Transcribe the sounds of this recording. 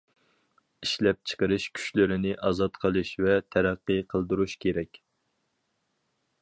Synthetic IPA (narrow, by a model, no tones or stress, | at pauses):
iʃlɛp̚t͡ʃʰə̥qəɾɨʃkʲʰy̥ʃlɪɾɪnɪʔɑzɑt̪qʰəlˠɨʃvɛt̪ʰæɾæqːɨqʰəlˠd̪uɾuʃkʲʰeɾɛkʲ